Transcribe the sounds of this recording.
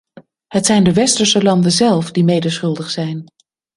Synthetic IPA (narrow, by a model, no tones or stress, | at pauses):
ɦətsɛjndəʋɛstəɹsəlɑndənzɛlˠfdimejdəɹsχɵlˠdəχsɛjn